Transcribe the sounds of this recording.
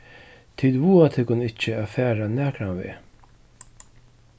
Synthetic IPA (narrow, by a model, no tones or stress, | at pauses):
t̪ʰid̪vuːat̪ʰɪkʊnɪt͡ʃəaːfæːɾanæːkɾanvḛː